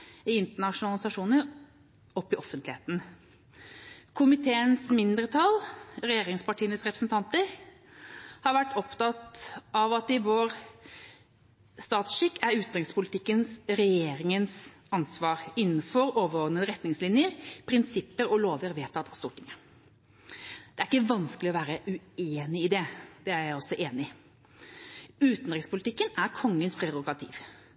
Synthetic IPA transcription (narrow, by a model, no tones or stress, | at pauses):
ɪɪnt̪əɳɑʂʊnɑlɪsɑʂuːnəɾ | ɔpːɪʔɔfːənt̪lɪheːt̪n̩ | kʰʊmɪt̪ʰeːənsmɪnd̪ɾət̪ʰɑlɾɛjeːɾɪŋspɑʈʰiːənəsɾɛpɾəsn̩t̪ʰɑnt̪əɾ | hɑɾʋæʈːɔpt̪ɑt̪ɑʋɑt̪ɪʋoːɾ | st̪ɑːt̪sʃɪkːæɾʉːt̪ʁɪŋkspʰʊlɪt̪ɪkːənsɾɛjeːɾɪŋəns | ɑnsʋɑːɾɪnːənfɔɾoːʋəɾoːd̪nənəɾɛt̪nɪŋslɪnjəɾpʰɾɪnsɪpːəɾɔloːʋəɾʋeːt̪ʰɑːt̪ɑst̪uːʈʰɪŋə | d̪̥ɛæɾɪkːəʋɑnsklɪɔʋæːɾəʔʉeːnɪɪd̪ɛd̪ɛæɾjæɪɔsːɔʔeːnɪ | ʉːt̪nd̪ɾɪkspʰʊlɪt̪ʰɪkːənæɾkʰɔŋːənspʰɾɛɾʊɡɑt̪ʰḭːʋ